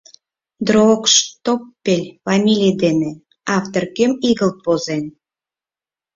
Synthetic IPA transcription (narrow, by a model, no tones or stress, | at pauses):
d̪rookʃt̪opːelʲfɑmʲilʲijd̪ene | ɑft̪orkømiɣəlt̪̚pozen